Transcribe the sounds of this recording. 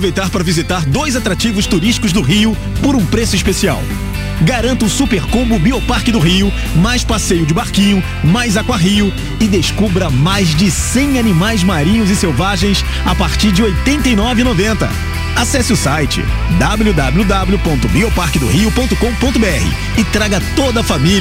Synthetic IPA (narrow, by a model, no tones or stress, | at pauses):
ppovejt̪aɾpaɾɐvizit̪aɾd̪ojzat̪ɾat͡ʃivʊst̪uɾiʃt͡ʃi̥kʊzd̪ʊɦiʊ | poɾũpɾesʊispesia̰w | ɡaɾɐ̃nt̪ɐʊsupeɾkõbʊbiopaɾkɪd̪ʊɦiʊ | majspasejʊd͡ʒɪbaɾkĩɲʊ | majzakwaɦiʊ | ɪd̪eskubɾɐmajzd͡ʒɪsẽj̃animajzmaɾĩɲʊzɪsewvaʒẽj̃s | apaɾt͡ʃiɾd͡ʒɪojt̪ẽnt̪ɐinɔvɪnovẽnt̪ɐ̰ | asɛsɪʊsajt͡ʃɪ̰d̪ablud̪ablud̪ablʊpõnt̪ʊbiopaɾkɪd̪ʊ̰hiʊpõnt̪ʊkõw̃põnt̪ʊbeɛhɪ̰ | ɪt̪ɾaɡɐt̪od̪ɐfamil